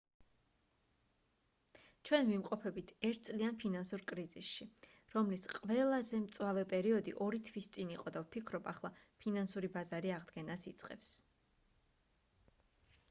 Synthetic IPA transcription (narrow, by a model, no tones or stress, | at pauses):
t͡ʃʰwɛnvimqʼɔpʰɛbit̪ʰɛɾt̪̚ʰt̪sʼlianpʰinansuɾkʼɾizisʃi | ɾɔmlisqʼvɛlˠazɛmt̪sʼwavɛpʼɛɾiɔd̪ḭʔɔɾit̪ʰwist̪sʼiniqʼɔd̪avpʰikʰɾɔbaχlˠapʰinansuɾibazaɾiaʁd̪ɡɛnasit̪sʼqʼɛ̰ps